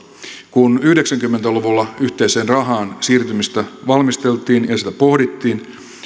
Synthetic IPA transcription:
kunyhdeksæŋkymːent̪æloʋulːɑyht̪e̞ise̞ːnrɑɦɑːnsiːrt̪ymist̪æʋɑlmist̪elt̪ˑiːnjɑsit̪æpo̞hdit̪ːiːn

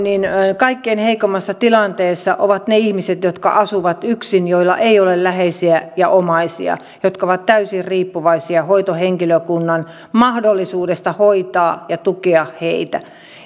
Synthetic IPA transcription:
ninkɑikːeinheikomːɑsːɑt̪ilɑnt̪eːsːɑ̰ʔoʋɑt̪neihmiset̪jot̪kɑ̰ʔɑsuʋɑt̪yksinjoilːɑ̰ʔeiolellæheisiæjɑ̰ʔomɑisḭɑ̰ | jot̪kɑoʋɑt̪t̪æysirriːpːuʋɑisiɑhoit̪oheŋkiløkunːɑn | mɑhdolːisuːdest̪ɑhoit̪ɑːjɑt̪ukeɑhheit̪æ̰

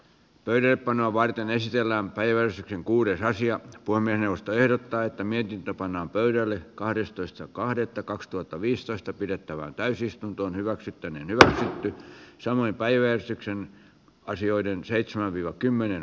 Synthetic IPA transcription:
pøyɾælːeppɑnoɑʋʋɑrt̪enesit̪elːæːmpæiʋæjærst̪ykseŋkuːɾesɑsiɑpuhemːiesneuʋost̪oehdot̪ːɑːet̪ːæmiet̪int̪øpɑnːɑːmpøydælːekɑhdest̪oist̪ɑkɑhdet̪ːɑkɑkst̪uhɑt̪ːɑʋiːst̪oist̪ɑpidet̪ːæʋæ̰ːnt̪æysist̪unt̪oːnhyʋæksyt̪ːænḛːnhyʋæksyt̪ːysɑmoimpæiʋæjærst̪yksen | ɑsioidenseit̪semæʋʋiːʋɑkymːenen

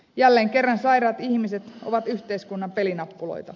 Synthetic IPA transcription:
jælːeːŋke̞rːɑnsɑjɾɑːt̪içmiset̪o̞̰ʋɑt̪yht̪e̞iskunːɑmpe̞linɑpːulo̞̰jt̪ɑ

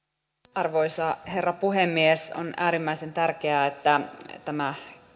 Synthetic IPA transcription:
ɑrʋoisɑherːɑpuɦemːieso̰næːɾimːæisent̪ærkeæet̪ːæt̪æmæ

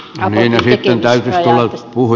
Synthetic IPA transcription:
niːnesit̪ːent̪æyt̪yst̪ulːɑpuhu

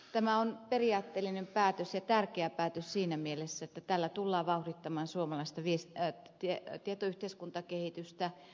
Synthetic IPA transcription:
t̪æmæonperiɑːt̪ːelːinempæːt̪øsjɑt̪ærkeæpæːt̪øssiːnæmielesːæet̪ːæt̪ælːæt̪ulːɑːʋɑuhrit̪ːɑmɑːnsuomɑlɑist̪ɑʋies | t̪iet̪iet̪oyht̪eiskunt̪ɑkehit̪yst̪æ

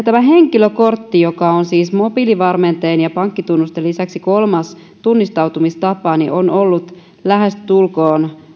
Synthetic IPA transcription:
t̪æmæɦeŋkiløkort̪ːijokɑonsiːsmopiliʋɑrment̪eːnjɑpɑŋkːit̪unːust̪elːisæksiko̞lmɑs | t̪unːist̪ɑwt̪umist̪ɑpɑnḭʔonolːut̪ | læɦest̪t̪ulkoːn

